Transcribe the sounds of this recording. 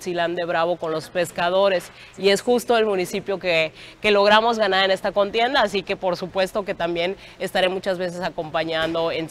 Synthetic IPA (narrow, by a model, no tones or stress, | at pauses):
siland̪e̞βɾaβo̞ko̞nlo̞spe̞skað̞o̞ɾe̞s | ie̞sxust̪o̞elmũnisipjo̞keke̞lo̞ɣ̞ɾamo̞zɣanaɾe̞ne̞st̪ako̞nt̪je̞nd̪aːsike̞po̞ɾsupwe̞st̪o̞ke̞t̪ambje̞ne̞st̪aɾe̞mut͡ʃazβe̞s̬e̞sako̞mpaɲãnd̪o̞en